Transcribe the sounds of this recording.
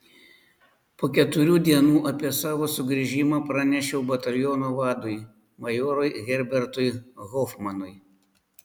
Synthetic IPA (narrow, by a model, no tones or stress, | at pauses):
poːkʲɛt̪ʊɾʲuːd̪ʲiɛnuːʔɐpʲiɛsɑːʋoːsʊɡɾʲiʒʲɪmɑːpɾɑnʲɛʃʲɛʊbɐt̪ɐlʲjoːnoːʋɑːd̪ʊɪ | mɐjoːɾʊɪɣʲɛɾʲbʲɛɾt̪ʊɪɣɔfmɐnʊɪ